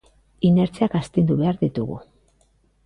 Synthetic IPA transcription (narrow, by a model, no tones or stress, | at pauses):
ine̞ɾt͡seakast̪end̪uβe̞aɾðit̪uɣṵ